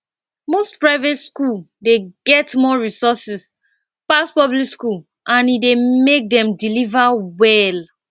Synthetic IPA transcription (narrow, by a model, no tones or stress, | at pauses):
mostpɹaɪvetskul | deɡɛtmɔɹisɔsis | paspɔblikskul | ʔãnidemek̚dɛ̃mdilivawɛl